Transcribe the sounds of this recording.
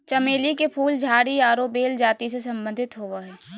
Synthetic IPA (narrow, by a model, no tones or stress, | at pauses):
t͡ʃɐmeːlikepʰuːld͡ʒʱaːɽiaːɾobeːld͡ʒaːt̪isesɐ̃mbə̃nd̪ʱɪt̪ɦoːʋaɦɛː